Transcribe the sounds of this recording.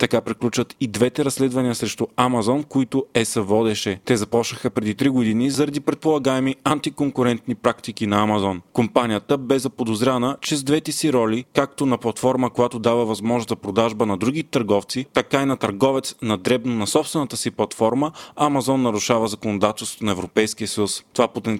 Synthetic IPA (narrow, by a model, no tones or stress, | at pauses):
t̪ɐkapɾiklʲut͡ʃvət̪id̪vɛt̪ɛɾɐsːlɛd̪vɐniəsɾɛʃt̪ʊamɐzɔnkoit̪oɛsəvɔd̪ɛʃɛt̪ɛzɐpɔʃnəxəpɾɛd̪it̪ɾiɡod̪inizɐɾɐd̪ipɾɛt̪̚polˠɐɡaɛmiant̪ikoŋkʊɾɛnt̪nipɾakt̪ikinɐːmɐzɔnkompanijət̪əbɛzɐpod̪ozɾʲanət͡ʃɛzd̪vɛt̪ɛsiɾɔlʲikak̚t̪onɐplˠɐt̪fɔɾməkojat̪od̪avəvɐzmɔʒnost̪zɐpɾod̪aʒbənɐd̪ɾuɡit̪ɐɾɡɔft̪sit̪ɐkainɐt̪ɐɾɡɔvɛt̪snɐd̪ɾɛbnonɐsɔpst̪vɛnət̪əsiplˠɐt̪fɔɾməamɐzɔnːɐɾuʃavəzɐkonod̪at̪ɛlˠst̪ot̪onɐɛvɾopɛjskijəsəjust̪ovapot̪ɛn